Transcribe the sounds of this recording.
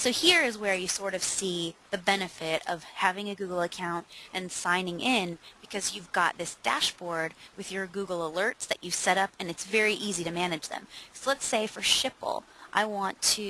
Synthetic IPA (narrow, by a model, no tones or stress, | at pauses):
soʊhiɹɨzwə˞jɨsɔɹɾʌv̥siðɨbɛnɨfɪɾʌ̰v̥hævɪ̃ŋɨɡʉɡl̩ˠəkʰãʊ̃nt̚ʔɨ̃nsãɪ̃nɪ̃ŋʔɪ̃nb̥ɨkʰʌzjʉvɡɑt̪̚ðɪsd̥æ̰ʃb̥ɔɹd̚wɨðjə˞ɡuɡl̩ˠəlɜ˞tsðɨt͡ʃɨv̥sɛɾʌpɨ̃nɨtsvɛɹiʔiziɾɨmænɨ̥d͡ʒðɨ̰̃msoʊlˠətseɪfə˞ʃɪpl̩ˠʔa̰ɪwɑ̃ntʰɨ